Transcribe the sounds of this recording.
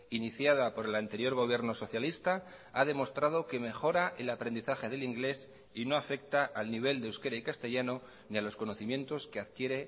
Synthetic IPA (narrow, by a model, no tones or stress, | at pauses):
iniθjaðapo̞ɾe̞lant̪e̞ɾjo̞ɾɣo̞β̞je̞ɾno̞so̞θjalist̪a | aðe̞mo̞st̪ɾað̞o̞ke̞me̞xo̞ɾaʔelapɾend̪iθaxe̞ðe̞liŋɡle̞s | ino̞afe̞k̚t̪aʔalniβ̞e̞ld̪ewske̞ɾaikast̪e̞ʝano̞ | nialo̞sko̞no̞θimjẽ̞nt̪o̞ske̞aðkje̞ɾe̞